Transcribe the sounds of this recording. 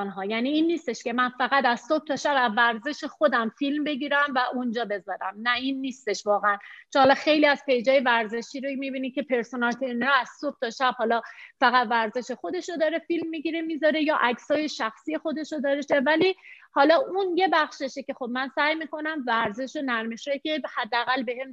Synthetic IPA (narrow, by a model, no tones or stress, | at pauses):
nɦɒːjæniːiːnːiːst̪e̞ʃke̞mænfæɣæt̪æz̥sob̥̚t̪ʰɒːʃæbæzvæɾze̞ʃexod̪æmfilmbe̞ɡiːɾæmvæʔund͡ʒɒːbe̞zɒːɾæmnæiːnːiːst̪e̞ʃvɒːɣeænt͡ʃʰohɒlɒxe̞jliːæz̥pe̞jd͡ʒɒːje̞væɾze̞ʃiːɾomibiːnikʰʲe̞pʰe̞ɾsonɒlt̪ʰeɾneɾɒæz̥sob̥̚t̪ʰɒʃæb̥hɒːlɒfæɣæt̪væɾze̞ʃe̞xo̞d̪e̞ʃod̪ɒːɾe̞filmːiɟiɾemiːzɒɾe̞jɒːʔækʰsɒːje̞ʃæxsiːje̞xo̞d̪e̞ʃod̪ɒːɾeʃevæliːhɒlɒːʔunje̞bæχʃeʃece̞xo̞bmænsæjmiːkʰo̞næmvæɾze̞ʃonæɾme̞ʃjecʲʰe̞hæd̪ːeæɣælbe̞ɦem